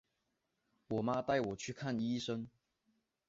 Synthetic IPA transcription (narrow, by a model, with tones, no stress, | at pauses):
wɔ˨˩ma˦t̪a˥˩ɪwɔ˨˩t͡ɕʰy˥˧kʰa˥˨ni˥ʂə˦n